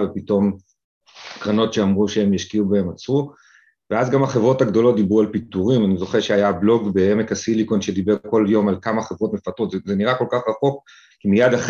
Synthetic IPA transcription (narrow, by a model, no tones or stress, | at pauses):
vepito̞m | kʁano̞tʃeamʁuʃeemjaʃkiubae̞mat͡sʁu | veazɡamaχe̞vʁo̞thaɡd̪o̞lo̞t̚d̪ibʁualpit̪uʁimanizo̞χeʁʃeajablo̞ɡbeemekasiliko̞nʃe̞d̪ibeʁko̞ljo̞malkamaχe̞vʁo̞t̪me̞fat̪ʁo̞t̪zezeniʁako̞lkaχʁaχo̞k | kimijad̪aχ